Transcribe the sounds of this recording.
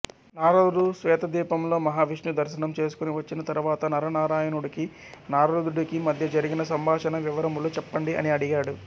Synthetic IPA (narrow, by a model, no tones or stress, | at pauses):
naːɾɐɽusʋɛːt̪ɐd̪iːpɐmlo̞ːmɐɦaːʋiʂnud̪ɐɾʃɐnɐmt͡ʃe̞ːs̬u̥kuniʋɐt͡ʃːinɐt̪ɐɾuʋaːt̪ɐnɐɾɐnaːɾaːjɐnuɽiki | naːɾɐɾud̪uɽikimɐd̪ʱjɐd͡ʒɐɾiɡinɐsɐmbaːʂɐnɐʋiʋɐɾɐmulut͡ʃɛpːɐɳɖiʔɐ̰niɐɽiɡaːɽu